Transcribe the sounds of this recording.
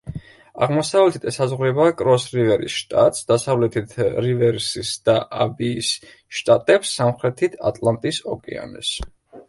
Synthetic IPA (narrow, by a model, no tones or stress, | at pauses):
a̰ʁmɔsavlɛt̪ʰit̪ʰɛsazʁɾɛbakʼɾɔsɾivɛɾḭsʃt̪ʼa̰t̪ʼsd̪asavlɛt̪ʰit̪ʰɾivɛɾsisd̪̥aʔabiːs | ʃt̪ʼat̪ʼɛpsːamχɾɛt̪ʰit̪ʰa̰t̪ʼlˠant̪ʼisɔkʼɛ̰a̰nɔ̰s